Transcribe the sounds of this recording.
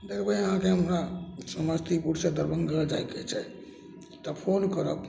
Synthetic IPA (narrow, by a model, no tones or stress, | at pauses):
d̪ekʰbəəɦãkeɦəmɾasəməst̪ʰipuʈsed̪əɾbəŋɡəd͡ʒajket͡ʃʰɛ | t̪əpʰonkəɾə̰k